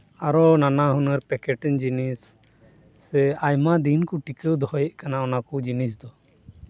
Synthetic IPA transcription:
aɾɔnanaɦunəɾpɛkɛʈɛnd͡ʒinisː | ɛajmad̪inkuʈikəwd̪ɔɦɔjɛʔ̚kanaɔnakud͡ʒinisd̪ɔ

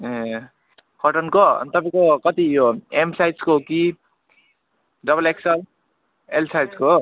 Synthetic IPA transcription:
e | kʌʈʌnkoʌ̰nt̪ʌpãĩkokʌt̪ijoemsajd͡zkoɦoki | ɖʌbʌleksʌl | elsajd͡zko

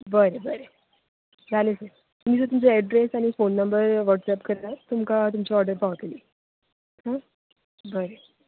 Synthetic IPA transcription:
bəɾebəɾe | d͡zʱalesəɾ | t̪miːt͡sət̪umt͡seɛɖɾesaɽ̃ifonːəmbəɾʋəɽʈsɛpkəɾlat̪umkat̪̬umt͡ɕiɔɾɖəɾpaʋət̪liː | ɦã | bəɾe

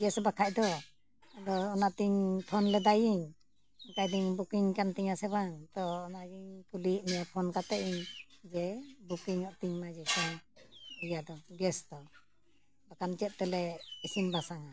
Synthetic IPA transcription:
ɡɛsbakʰajd̪ɔ | d̪ɔːnat̪iŋpʰɔnlɛd̪ajiɲ | kajd̪iŋbukiŋkant̪iɲasɛbaŋt̪ɔːnad͡ʒiŋkuliʔnɛpʰɔnkat̪ɛʔiɲd͡ʒɛbukiŋɔt̪iŋmad͡ʒɛkiŋɔjad̪ɔɡɛst̪ɔ | bakant͡ʃɛt̪̚t̪ɛlɛisimbasaŋa

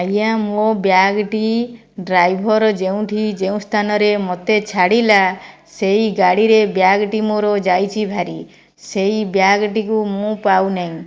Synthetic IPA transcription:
ajãmobjaɡʈi | ɖɾajbʱɔɾɔd͡ʒeũʈʰid͡ʒeũst̪ʰanɔɾemot̪et͡ʃʰaɽila | seiɡaɽiɾebjaɡʈimoɾɔd͡ʒajt͡ʃʰibʱaɾi | seibjaɡʈikumũpawnaĩ

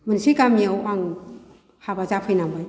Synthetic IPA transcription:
mɯnsikamijawaŋ | habazapʰɯjnambɯj

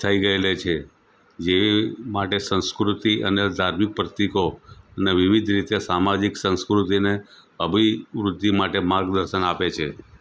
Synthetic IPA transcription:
t̪ʰəiɡəelet͡ʃʰe | d͡ʒeʋimaʈesə̃nskɾut̪iʔəned̪ʱaɾmik̚pɾət̪ikoəneʋiʋid̪ʱɾit̪jasamad͡ʒiksə̃nskɾut̪ine | əbʱiʋɾud̪ʱːimaʈemãɡd̪əɾʃənapet͡ʃʰe

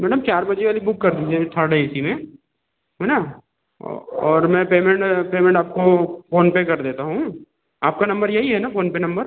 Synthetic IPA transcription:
mɛːɖəmt͡ʃaːɾbɐd͡ʒeʋaːlibʊkːɐɾd̪iːd͡ʒɛt̪ʰəɾɖaɪsimẽ | ɦɛːna | ɔːɾmɛ̃ːpeːmɛ̃ɳʈpeːmɛ̃ɳʈaːp̚kofoːnpekɐɾd̪eːt̪aɦũ | aːp̚kanɐ̃mbəɾjɐɦiɦɛnafoːnpenɐ̃mbəɾ

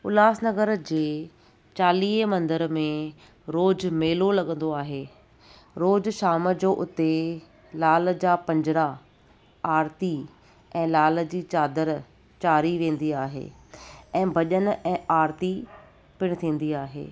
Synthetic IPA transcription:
ʊlaːsnɐɡəɾd͡ʑeː | t͡ɕaːliːɦmɐ̃nd̪əɾmẽ | ɾoːd͡ʑmeːlolɐɠə̃nd̪oaːɦeː | ɾoːd͡ʑʃaːməd͡ʑoːʔʊt̪e | laːld͡ʑaːpɐ̃ɲd͡ʑɪɾa | aːɾt̪i | ɛ̃ːlaːld͡ʑiːt͡ɕaːd̪əɾ | t͡ɕaːɾiʋẽːn̆d̪iaːɦḛː | ɛ̃ːbʱɐʄənɛ̃ːaːɾt̪i | pɪɽ̃̆t̪ʰĩːn̆d̪iaːɦḛː

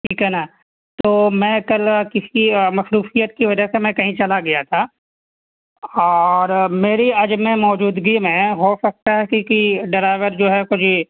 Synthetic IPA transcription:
ʈʰiːkɦɛɦnaː | t̪oːmɛ̃ːkɐlkɪsimɐsɾuːfijət̪̚kiʋɐd͡ʒəsemɛ̃kɐɦĩt͡ʃɐlaɡɐjat̪ʰaː | ɔːɾmeːɾiɐd͡ʒmẽmɔːd͡ʒuːd̪ɡimẽɦosɐk̚t̪aɦɛkikiɖɐɾaɪʋəɾd͡ʒoːɦɛkʊt͡ʃʰi

